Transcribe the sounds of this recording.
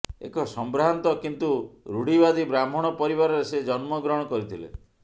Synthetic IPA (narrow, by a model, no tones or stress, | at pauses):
ḛkɔsɔmbɾant̪ɔkint̪uɾuɽibad̪ibɾam̤ɔɽ̃ɔpɔɾiβaɾɔɾesed͡ʒɔnmɔɡɾɔɽ̃ɔkɔɾit̪ʰilḛ